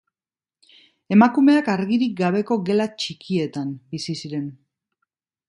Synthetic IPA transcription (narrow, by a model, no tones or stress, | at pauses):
e̞makume̞akaɾɣiɾik̚ɡaβ̞e̞ko̞ɣe̞lat͡ʃikie̞t̪ambisisiɾe̞n